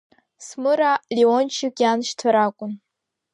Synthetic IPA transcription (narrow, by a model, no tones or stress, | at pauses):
smɨɾalʲiont͡ʃʰɪkʲʼanʃtʰaɾakʷʼʊn